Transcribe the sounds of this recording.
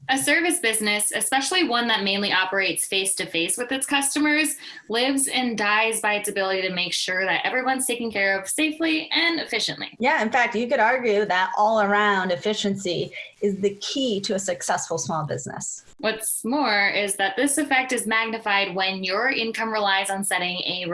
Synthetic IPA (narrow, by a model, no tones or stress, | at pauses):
ɨsɜ˞vɨsb̥ɪznɨsɨspɛʃl̩ˠiwʌ̃nðɨt̚mẽɪ̃nliʔɑpə˞eɪtsfeɪstʰɨfeɪswɨðɨtskʰʌstɨmə˞zlɪvzɨ̃ndaɪzbaɪɨtsɨbɪlˠəɾiɾɨmeɪkʃʊɹðɨɾɛ̰vɹiwʌ̃nz̥tʰeɪkɪ̃ŋkʰɛɹʌv̥seɪfliʔɨ̃nɨfɪʃɨ̰̃nʔlḭjæɨ̃nfæk̚tɨkɨɾɑɹɡjʉðɨɾʔɔlˠə˞ãʊ̃ndɨfɪʃɨ̃nsiɨzðɨkʰiɾɨːsɨksɛsfl̩ˠsmɔlˠbɪ̰znɨ̰s | wʌtsmɔɹɪzðɨt̪̚ðɪsɨfɛk̚tɨzmæɡ̚nɨfaɪd̚wɨ̃njə˞ʔɪ̃nkʰʌ̃mɹɨlaɪzn̩sɛɾɪ̃ŋɨ